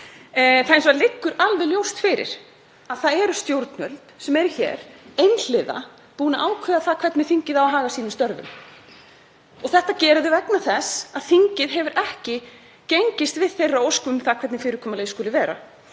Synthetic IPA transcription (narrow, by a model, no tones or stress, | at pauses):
θaɪns̬ɔaɾlɪkːʏɾalvɛðljowst̪fɪːɾɪ̰ɾ̥ | aðθaðɛɾʏst̪jowɾt̪nœlt̪sɛmɛɾɪçɛ̰ːɾ̥ejnl̥ɪða̰ | puːnaʔaːwkʰvœːðaθakʰv̥ɛt̪nɪθiɲcɪðawɦaːɣasiːnɪmst̪œɾvʏ̰m | ɔɣθɛht̪acɛːɾʏðʏvɛknaθɛsaðθiɲcɪðɦɛvʏɾʔɛhcɪ | cejɲcɪst̪vɪðθejrːaowskʏmθakʰvɛt̪nɪfɪːɾɪɾkʰɔːmalejskʏːlɪvɛːɾa̰